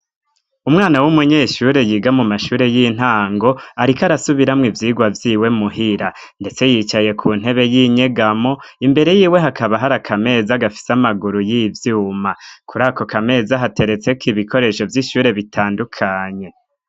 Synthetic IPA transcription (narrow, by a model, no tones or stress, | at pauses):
umŋaːnawumuɲeʃuɾe̞jiɡamumaʃuːɾe̞jin̥ɦaːŋɡo̞aɾikaɾasuβiɾamŋivjiːɡwavjiːwe̞muɦiɾa | ndet͡se̞jit͡ʃaje̞kʰun̥e̞βe̞jiːɲe̞ɡamo̞imbe̞ɾe̞jiːwe̞ɦakaβaɦaɾakʰame̞ːzaɡafi̥samaɡuɾujiːvjuːmakʰuɾaːko̞kame̞ːzaɦate̞ɾe̞t͡se̞kiβikʰo̞ɾe̞ʃo̞vjiʃuːɾe̞βitʰaːndukʰaɲe̞